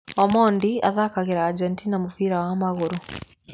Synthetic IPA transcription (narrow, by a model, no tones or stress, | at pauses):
omoːndia̰ðakaɣiɾaːɟɛntinamufiɾawamaɣuɾu